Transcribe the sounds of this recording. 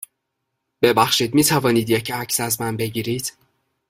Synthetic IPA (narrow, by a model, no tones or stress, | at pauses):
b̥ebæxʃiːd̪miːt̪ʰævɒːniːd̪jecʰæcsæzmænbe̞ɟiːɾiːd̪̥